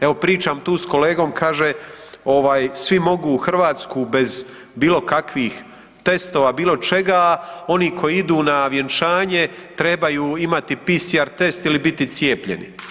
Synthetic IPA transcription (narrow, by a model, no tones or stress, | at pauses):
e̞ʋo̞pɾiːt͡ʃaːmt̪uːsko̞le̞ːɡo̞ːmkʰaːʒeo̞ʋaːjsʋimo̞ɡuːxrʋaːt̪skube̞z | biːlo̞kakʋiːx | t̪e̞st̪o̞ːʋaːbiːlo̞t͡ʃe̞ɡao̞niːkʰo̞jiid̪uːnaʋje̞nt͡ʃaːɲe̞t̪ɾe̞bajuːimat̪ipisiaɾt̪e̞st̪ilibit̪it̪sje̞ːpʎe̞̰nḭ